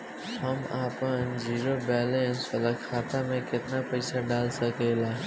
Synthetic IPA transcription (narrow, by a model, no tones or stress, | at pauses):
hɐma̰ːpənd͡ʒiːɾobɛːlẽːnsɐlakʰaːt̪amẽkɪt̪napɛɪsaɖaːlsɐkeːlaː